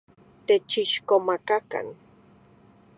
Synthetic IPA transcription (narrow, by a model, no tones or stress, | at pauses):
t̪et͡ʃɪʃkomakaka̰n